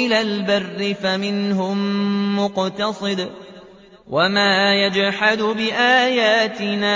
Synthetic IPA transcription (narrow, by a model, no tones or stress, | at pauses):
ɪlaːlbarːɪfamɪnɦʊmmʊqt̪ɑsˤɨd̪ | wamaːjad͡ʒħad̪ʊbɪʔaːjaːt̪ɪnaː